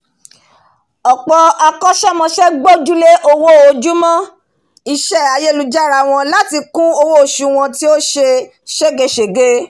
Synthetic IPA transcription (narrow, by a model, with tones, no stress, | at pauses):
ɔ˨k͡pɔ˧a˧kɔ˦ʃɛ˦mɔ̃˧ʃɛ˦ɡ͡bo˦d͡ʒu˦le˦ʔo˦wo˦o˧d͡ʒu˦mɔ̃˦ | i˧ʃɛ˦a˨˧je˦˨lu˧d͡ʒa˦˨ɾa˨w̃ɔ̃˧la˦ti˧kũ˦o˧wo˦o˨ʃu˨w̃ɔ̃˧ti˦o˦ʃe˧ | ʃe˦ɡe˨˧ʃe˨ɡe˦